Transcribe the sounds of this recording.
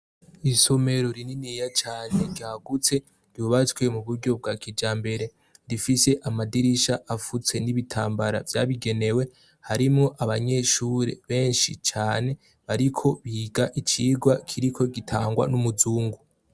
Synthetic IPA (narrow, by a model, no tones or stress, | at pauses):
iso̞me̞ɾo̞ɾininijat͡ʃaːne̞ɾɟaːɡut͡se̞ | ɾɟjuːβat͡swe̞muβuɾɟo̞b̚ɡakʰid͡ʒaːmbe̞ɾe̞ | ɾifise̞ʔamadiɾiʃaʔafut͡se̞niβitʰaːmbaɾa̰vjaβiɡe̞ne̞we̞ | haɾimŋo̞ʔaβaɲe̞ʃuːɾe̞̰βe̞ːnʃit͡ʃaːne̞ | βaɾikʰo̞βiːɡaʔit͡ʃiɡwakʰiɾikʰo̞ɡitʰaːŋɡwa̰numuzuːŋɡu